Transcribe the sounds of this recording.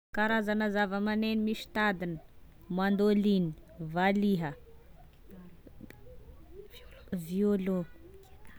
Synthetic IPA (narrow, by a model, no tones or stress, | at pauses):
kaɾazanəzavəmanenimiʃi̥t̪ad̪inə̥ | mand̪olini̥valiɦə | violo